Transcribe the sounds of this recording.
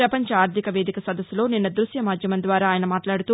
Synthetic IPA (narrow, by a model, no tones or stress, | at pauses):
ɾɐpɐɲt͡ʃɐaːɾt̪ʰikɐʋeːd̪ikɐsɐd̪ɐsːulo̞ːninːɐd̪ɾuʃjɐmaːd͡ʒ̪ʱjɐmɐnd̪ʋaːɾaːjɐnɐmaːtlaːɽut̪uː